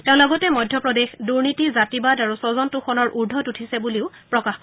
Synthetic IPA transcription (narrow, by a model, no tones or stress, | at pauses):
tɛ̃ʊ̃lɔɡɔtɛmɔjdʱjɔpɹɔdexduɹnitizatibadaɹusɔzɔntuxɔnɔɹʔuɹdʱɔtutʰisɛbuliʊ | pɹɔkaxk